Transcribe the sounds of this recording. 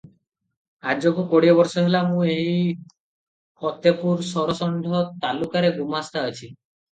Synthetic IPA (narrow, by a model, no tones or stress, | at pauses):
ad͡ʒɔkukoɽiɔbɔɾsɔɦilamũeɦi | kɔt̪epuɾsɔɾɔsɔɳɖʱɔt̪alukaɾeɡumast̪aət͡ʃʰi